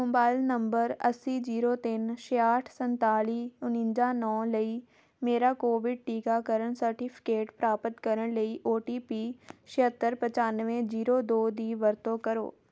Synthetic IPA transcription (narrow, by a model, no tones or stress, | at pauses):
mʊːbaːɪlnɐ̃mbəɾɐsid͡ʑiːɾot̪ɪnʃeaːʈʰsɐ̃nt̪aːliːʊnɪ̃nd͡ʑanɔːləiː | meːɾakoːʋɪɖ̚ʈiːkakɐɾəɽ̃sɐɾʈipʰɪ̥keːʈpɾaːpət̪kɐɾəɽ̃lɐiʔoːʈiːpiːʃɪɦət̪ːəɾpɐ̃t͡ɕaːnʋẽd͡ʑiːɾoːd̪oːd̪iːʋɐɾt̪okɐɾo̰ː